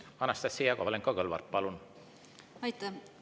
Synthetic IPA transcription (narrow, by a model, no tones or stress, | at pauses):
ɑnɑst̪ɑsejɑkovɑleŋkɑkɤlvɑ̰rt̪̚pɑlun | ɑjt̪ːɑ